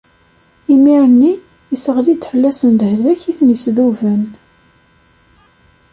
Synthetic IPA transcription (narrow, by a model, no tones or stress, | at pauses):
imiɾənːi | isəʁlid̪fəlːæsənd̪hðæçiθnəsðuvən